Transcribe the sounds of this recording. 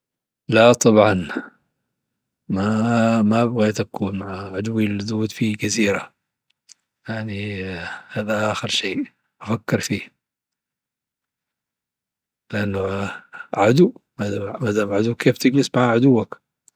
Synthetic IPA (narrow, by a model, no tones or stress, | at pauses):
lat̪ˤɑbʕɑn | mamabɣeːt̪akʰuːnmaʕaʕad̪wilːd̪uːd̪fiɡaziːɾa | jaʕnihaːd̪aʔaːxɪɾʃeː | ʔafakːɪɾfiː | lɪʔanːʊ | ʕad̪umad̪amad̪aːmʕad̪uːkʰeːft̪ɪɡlɪsmaʕaʕʊd̪uwːak